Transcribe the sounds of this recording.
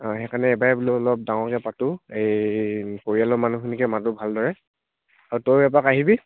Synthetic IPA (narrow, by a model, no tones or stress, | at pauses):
xɛkanɛːbaɛbuliɔlɔp̚daŋɔɹkɛpatʊejkoɹialɔmanuxʰinikɛmatʊbʱaldɔɹɛ | aɹutojbɛpakaɦibi